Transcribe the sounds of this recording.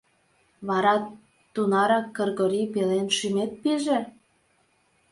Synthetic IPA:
βɑɾɑt̪ː | unɑɾɑkːɤrɣoɾipelenʃymet̪̚peʒe

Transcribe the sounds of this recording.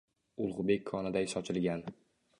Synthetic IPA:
ʊlˠʁʊbe̞kʲʰːɒnɪd̪aɪsɒt͡ʃʰɪlɡʲan

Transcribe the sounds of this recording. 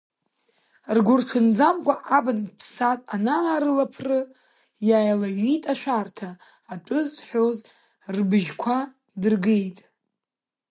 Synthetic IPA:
rɡʷʊrtʰʊnd͡zamkʷʼaʔabanɨdpʰsatʼanaːɾɨlapʰrɨ | jaːjlaɥitʼaʃʷᶣartʰaː | ʈ͡ʂʼʊzħʷᶣoz | rbɨʒkʷʰa | dɨrɡejtʼ

